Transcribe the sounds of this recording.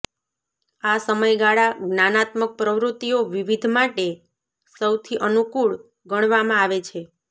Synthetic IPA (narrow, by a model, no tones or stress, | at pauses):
asəməjɡaɭaɡnanat̪mək̚pɾəʋɾut̪ːijoʋiʋid̪ʱmaʈe | səwt̪ʰiʔənukuɭ | ɡəɳ̃ʋamãaʋet͡ʃʰe